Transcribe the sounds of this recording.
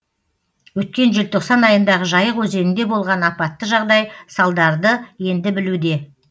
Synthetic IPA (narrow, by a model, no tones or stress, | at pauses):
wɵt̪̚kʲe̞nʒɪlt̪ʰo̞qsɑnɑjənd̪ɑʁəʒɑjəqwɵze̞nɪnd̪e̞bo̞lˠʁɑnɑpɑt̪ːəʒɑʁd̪ɑjsɑlˠd̪ɑɾd̪əje̞nd̪ɪbɪlud̪e̞